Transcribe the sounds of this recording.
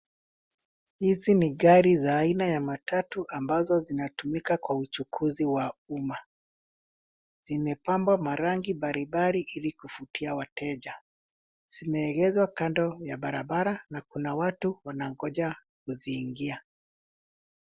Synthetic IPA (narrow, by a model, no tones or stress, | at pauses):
hiziniɡaɾizaːinajamatʰatuʔambazɔzinatumikakwaut͡ʃukʰuziwauma | z̥imɛpambwamaɾaŋɡiɓaɾibaɾiʔilikufutʰiawatɛʄa | z̥imɛːɣɛzwakandɔjaɓaɾaɓaɾanakunawatuwanaŋɡɔʄa | kuziːŋɡia